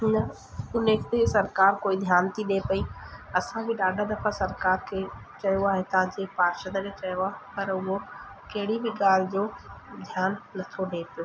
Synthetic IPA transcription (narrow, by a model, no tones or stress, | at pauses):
nɐ | ʊnekt̪esɐɾkaːɾkoːid̪ʱjaːnt̪ʰiɗepɐiɐsãbɪɗaːɖʱad̪ɐfasɐɾkaːɾkʰeːt͡ɕɐjoaːɦet̪ɐʋãd͡ʑepaːɾʃəd̪əket͡ɕɐjoaːɦpɐɾʊɦo | kɐɦɪɽibɪɠaːl̤ɪd͡ʑoːd̪ʱjaːnːɐt̪ʰoɗeːpijoː